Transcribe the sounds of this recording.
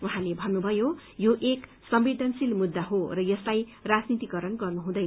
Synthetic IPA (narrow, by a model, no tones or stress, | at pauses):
uɦãlebʱʌnːubʱʌjojoʔek | sʌmbed̪ʱʌnsilmud̪ːaɦorʌjʌslajrad͡znit̪ikʌɾʌnɡʌrnuɦũd̪ʌj